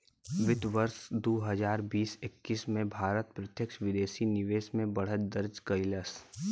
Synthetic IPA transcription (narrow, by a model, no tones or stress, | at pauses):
ʋɪt̪ʋəɾsd̪oːɦəzaːɾbiːsɪkːismẽbʱaːɾət̪̚pɾət̪jəkʃʋɪd̪eːʃinɪʋeːsmẽbɐɽ̤ət̪̚d̪əɾd͡ʒkəɪləs